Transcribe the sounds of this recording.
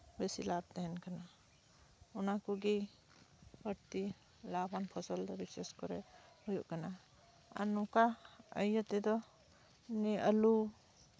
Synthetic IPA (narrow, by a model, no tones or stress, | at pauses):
besilab̚t̪ɛɦɛnkana | unakuɡi | bəɾt̪i | labanpʰɔsɔld̪ɔbisɛskɔɾɛ̰hujuʔkana | a̰nukaəjət̪ɛd̪ɔ | niʔəlu